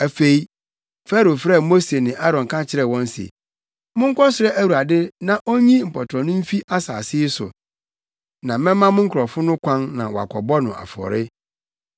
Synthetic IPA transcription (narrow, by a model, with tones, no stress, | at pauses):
æ˨fe˨i˦ | fa˦ɾo˨fɾɛ˦˨mo˦se˨nɪ̃˨ʔa˦ɾɔ̃˨ŋ˨kʰa˦t͡ɕʰɪ˦ɾɛ˨wɔ̃˦n˦sḛ˨ | mʊ̃˦ŋ̩˦kʰɔ˦sɪ˨ɾɛ˦ʔæ˦wu˨ɾa˨dɪ˦nã˨ʔo˦ɲĩ˦m̩˨pʰɔ˨tʰɔ˨nʊ̃˦m̩˦fi˦ʔa˦sa̰ː˨sɪ˦ɪ˦sʊ̰˨ | nã˨mɛ̃˦mã˦mʊ̃˦ŋ̩˦kʰɾɔ˨fʊ˦nʊ̃˦kʷʰã˦nːã̰˨wɔ˨a̰˨kʷʰɔ˨bɔ˦nʊ̃˨a̰˨fɔ̰˨ɾɪ˦